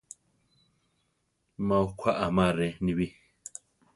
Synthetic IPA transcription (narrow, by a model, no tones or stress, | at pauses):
mãukʰʷaʔamãɾɛnĩβi